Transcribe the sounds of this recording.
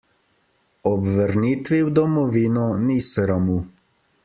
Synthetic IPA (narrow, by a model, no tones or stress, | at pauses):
ɔbʋəɾniːt̪ʋiwd̪ɔmɔʋiːnɔnisɾamu